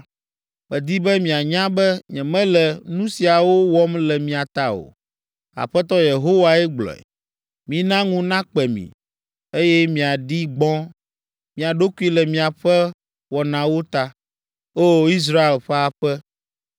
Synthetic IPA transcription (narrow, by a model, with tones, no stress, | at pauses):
mɛ˨d̪i˦bɛ˦mĩ˨a˨ɲã˦bɛ˦ɲɛ̃˨mɛ̃˦lɛ˨nũ˦si˨a˨wo˦wɔ˦mlɛ˨mĩ˨a˨t̪a˦o̰˨ | a̰˨ɸɛ˦t̪ɔ˦je˨ɦo˦wa˨ɛ˦ɡ͡blɔ̰˨ɛ̰˨ | mĩ˨nã˦ŋũ˦nã˦k͡pɛ˨mḭ̃˨ | e˦jɛ˦mĩ˨a˨ɖi˦ɡ͡bɔ̃˦ | mĩ˨a˨ɖo˦ku˦i˦lɛ˨mĩ˨a˨ɸɛ˦ | wɔ˨nã˨wo˦t̪a˦ | o˦i˦s̬ɾa˦e˨lɸɛ˦a˨ɸɛ˦